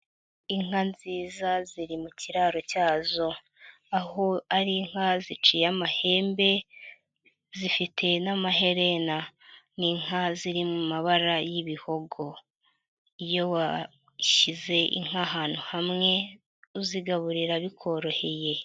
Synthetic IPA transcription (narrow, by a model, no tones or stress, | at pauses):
iŋ̥anziːzaziɾimuciɾaɾocaːzo̞ | aho̞aɾiŋ̥azit͡ʃijamahe̞ːmbe̞ | zifitʰe̞namaɦe̞ɾe̞naniŋaziɾimumaβaɾajiβiho̞ɡo̞ | ijo̞wa | ʃize̞ʔḭŋ̥aɦaːn̥huhamŋe̞ | uziɡaβuɾiɾaβikʰo̞ɾo̞he̞je̞